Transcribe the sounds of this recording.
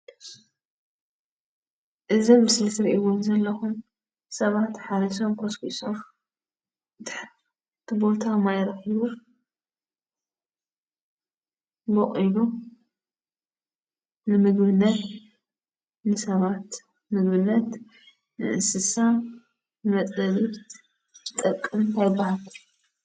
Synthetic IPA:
ʔɨzomːɨslit̪ʰɨɾʔiwunzɐlːɐxum | sɐβat̪ħaɾiso̞mkʰoskisom | d̪ɨħɾ | t̪ʰɨbo̞t̪ʰamajɾɐxiβu | boχʼilu | nɨmɨɡbɨnːɐt̪ | nɨsɐβat̪ | mɨɡbɨnːɐt̪ | nɨ̰ʔɨ̰sɨsa | nɨmɐt͡sʼɐβi | t̪ʼɐkʼːɨmt̪ʰajɪbːahal

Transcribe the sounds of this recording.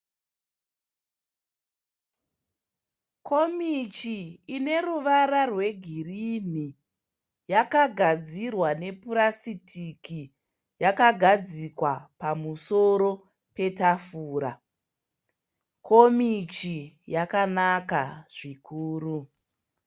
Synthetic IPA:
kʰo̞mit͡ʃiːne̞ruʋaɾarwe̞ɡʱirini | jakaɡʱad͡zirwane̞puɾasitʰiki | jakaɡʱad͡zikwapamuso̞ɾo̞ | pe̞tafuːɾa | ko̞mit͡ʃijakanakaʐ̥ikʰuːru

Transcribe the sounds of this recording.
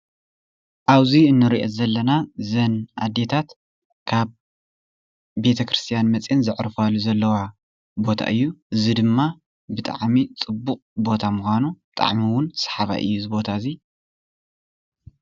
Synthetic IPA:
ʔaβziɨnːɨɾiʔozɐlːɐnazɐnʔa̰d̪ːe̞t̪ʰat̪ | kʰaβ | e̞t̪ʰɐkɾɨ̥st̪ʰijanmɐt͡sʼinzɨʕɾɨfalːuzɐlːɐwa | bo̞t̪ʰa̰ʔɨjːuʔɨzid̪ɨmːa | bɨt̪ʼa̰ʕmit͡sʼɨbːuqʼbo̞t̪ʰamuxʷanub̥ɨt̪ʼa̰ʕmiwʊnsḁħaβa̰ʔɨ̰jːuzɨbo̞t̪ʰazi

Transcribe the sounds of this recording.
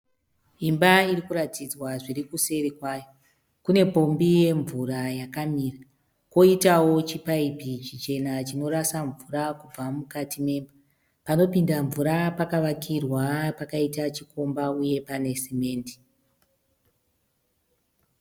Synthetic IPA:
imbairikuɾatid͡zwaʐirikuse̞ɾikwajo | kune̞po̞mbije̞ɱvurajakamiːra | ko̞itawo̞t͡ʃipaipit͡ʃit͡ʃe̞nat͡ʃino̞ɾasaɱvuɾakub͡vamukatʰime̞ːmba | pano̞pindaɱvuɾapakaʋakʰirwapakaitat͡ʃiko̞mbauje̞pane̞seme̞ːndi̥

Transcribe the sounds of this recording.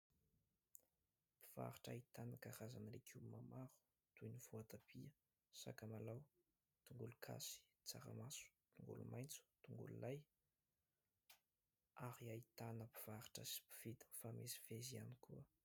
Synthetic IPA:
pi̥v̥a̰ɾiʈ͡ʂa̰it̪anəkaɾazanɾekʰumamaɾu̥ | t̪ujniv̥uat̪apiə | sa̰kamalaw | t̪uŋɡulukʰa̰si̥ | t͡saɾa̰masu̥t̪uŋɡṵlṵmajnt͡su̥t̪uŋɡṵlṵlaj | aɾiait̪anəpi̥v̥aɾi̥ʈ͡ʂəsi̥pi̥v̥id̪ifamesi̥vezianikuə

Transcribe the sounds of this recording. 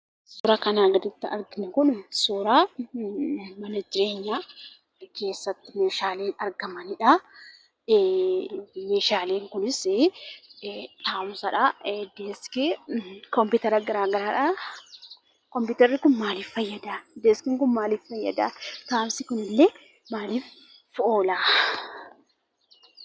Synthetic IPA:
suːɾakɐnaːɡɐd̪ɪt̪ːɪɐ̰ɾɡɪnɐkʊnsuːɾaː | mɐnɐd͡ʒɪɾe̞ːɲːaː | ke̞ːsːɐt̪ːɪmeːʃaːleːnɐɾɡɐmɐnɪᶑɐ | me̞ːʃaːleːŋkʊnɪs | t̪aːmsɐᶑɐd̪eːskɪkɔmpɪt̪ɛɾɐɡɐɾaːɡɐɾaːᶑɐ | kɔmpʊt̪ɛɾɪkʊnmaːliːffɐjːɐd̪aːd̪eskɪŋkʊnmaːliːffɐjːɐ̰d̪a̰ːt̪aːmsɪkʊnɪlːe | maːliːf | fʔoːlaː

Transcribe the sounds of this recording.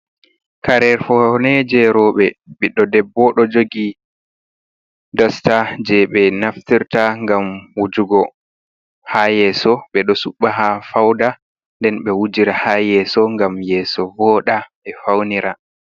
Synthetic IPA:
kaɾɛɾfɔnɛd͡ʒɛɾɔɓɛɓiɗɔdɛbːɔɗɔd͡ʒoɡi | dɔstad͡ʒɛɓɛnaftiɾtaŋɡamwud͡ʒuɡɔ | hajɛːsɔɓɛɗɔsuɓːaɦafawda | ndɛnɓɛwud͡ʒiɾahajɛsɔŋɡamjɛːsɔvɔːɗaɓɛfawniɾʔa

